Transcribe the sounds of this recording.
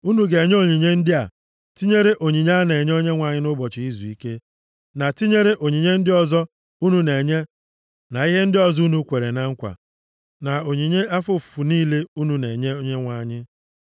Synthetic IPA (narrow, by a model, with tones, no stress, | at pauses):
u˦nu˨ɡe˨ɲe˦o˨ɲi˨ɲe˦n̩˦dɪ˦a˨ | ti˦ɲe˦ɾe˦ʔo˨ɲi˨ɲ˦ne˨ɲe˦o˦ɲe˦ŋʷa˨ɲɪ˦nʊ˦bɔ˨t͡ʃɪ˨i˦zu˨i˦ke˦ | na˨ti˦ɲe˦ɾe˦ʔo˨ɲi˨ɲe˦n̩˦dɪ˦ɔ˦zɔ˦ | u˦nu˨ne˨ɲe˦ | na˨i˦ɦe˦n̩˦dɪ˦ɔ˨zu˦nu˦kʷe˨ɾe˨na˨ŋ̩˦kʷa̰˨ | na˨o˨ɲi˨ɲe˦a˦fʊ˦ffu˨niː˦le˦u˦nu˨ne˨ɲe˦o˦ɲe˦ŋʷa˨ɲɪ˦